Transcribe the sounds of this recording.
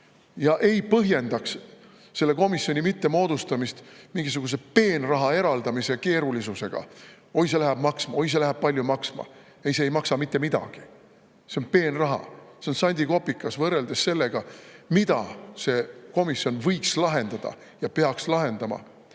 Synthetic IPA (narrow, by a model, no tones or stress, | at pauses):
jɑʔe̞jpɤɦje̞nd̪ɑks | se̞lːe̞ko̞misːjo̞nʲimit̪ːe̞mo̞ːd̪ust̪ɑmist̪miŋɡ̥is̬uɡ̥us̬e̞pe̞ːnrɑɦɑe̞ɾɑld̪ɑmise̞ke̞ːɾulisuse̞ɡ̥ɑ̰ | o̞js̬e̞læɦæb̥mɑksmɑo̞js̬elæɦæb̥̚pɑlʲjumɑksmɑ̰ | e̞jseːjmɑksɑmit̪ːe̞mid̪̥ɑ̰ɡ̥i | seo̞npe̞ːnrɑɦɑ̰seo̞nsɑnʲd̪iko̞pːikːˑɑsvɤrːe̞ld̪̥e̞sːe̞lːe̞ɡ̥ɑmid̪ɑ̰se̞ko̞misːjo̞nvɤjkslɑɦe̞nd̪̥ɑd̪̥ɑ̰ | jɑpe̞ɑkslɑɦe̞nd̪̥ɑmɑ̰